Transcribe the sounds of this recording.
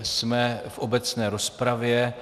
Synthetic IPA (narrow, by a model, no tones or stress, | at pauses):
smɛfʔobɛt͡snɛːɾospɾavjɛ